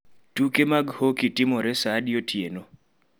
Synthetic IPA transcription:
tukemaɡhokitɪmɔɾɛsadɪjotʰjeno

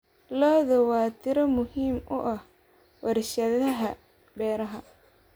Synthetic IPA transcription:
lɔːðɐwɑːt̪ʰɪɾɐmʊhiːmʊʔɐh | wɐrʃɐðɐɦɐ | bɛːɾɐɦɐ

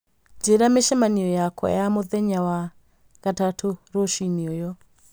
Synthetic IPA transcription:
d͡ʒeɾameʃɛmaniɔjakʰɔ̰jamoðɛɲawa | ɣatatʰoɾoʃiniɔjɔ

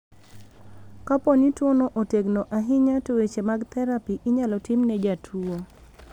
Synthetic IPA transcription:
kapɔnitwonoʔoteɡnoʔaɦɪɲatowet͡ʃemaɡt̪ɛɾapiʔɪɲalɔtɪmnɛd͡ʒatʰuo

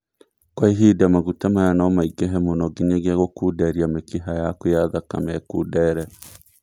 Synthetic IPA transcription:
kwaiɦidamaɣutamajanamaiɡɛɦɛmonɔɡiɲeɣeaɣokuːdɛɾiamekiɦajakojaðaka̰mɛkudɛɾɛ

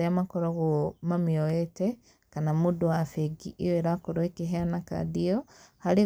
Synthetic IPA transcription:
eamakɔɾoɣomamioete | kanamudowafeɡiʔioeɾakoɾoekeɦeanaka̰diohaɾi

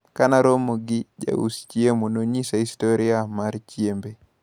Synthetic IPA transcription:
kanaɾomoɡɪd͡ʒa̰ṵst͡ʃjemonoɲisaistoɾiamaɾt͡ʃjembe

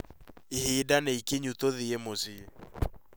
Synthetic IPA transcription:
eheːdanɛikeɲutoðeemozi

